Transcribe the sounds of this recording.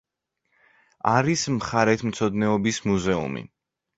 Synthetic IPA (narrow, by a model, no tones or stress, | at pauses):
aɾismχaɾɛt̪ʰmt̪sʰɔd̪nɛɔbismuzɛṵmḭ